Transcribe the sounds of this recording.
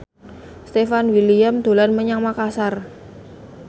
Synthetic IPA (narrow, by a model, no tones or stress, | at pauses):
st̪efanwilijamd̪̥o̤lanməɲaŋmakasar